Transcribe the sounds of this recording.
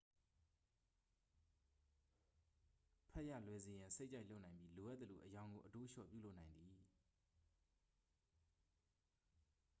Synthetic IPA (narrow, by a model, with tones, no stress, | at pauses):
pʰɛ˦ʔja̰˦˨lwɛ˨ze˨jã˨se˦ɪʔt͡ɕa˦ɪʔlo˦ʔnã˨ɪ̃mbji˦lo˨ʔa˦t̪ːə˨lo̰˨ʔəjã˨ʊ̃ŋɡo˨ʔəto˦ʃɔ̰˦˨pjṵ˦˨lo˦ʔnã˨ɪ̃nd̪i˨